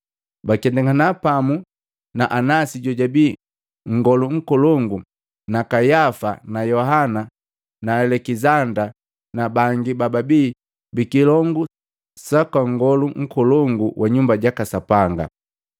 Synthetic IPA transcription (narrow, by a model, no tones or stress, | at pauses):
bakɛndɛŋanapamu | naʔanasiɟɔɟabiː | ŋ̩ɡɔluŋ̩kɔlɔŋɡu | nakajafanajɔɦana | naɛlɛkizanda | nabaŋɡibababiː | bikilɔŋɡu | sakwaŋɡɔluŋ̩kɔlɔŋɡuwʔaɲumbaɟakasapaŋɡa̰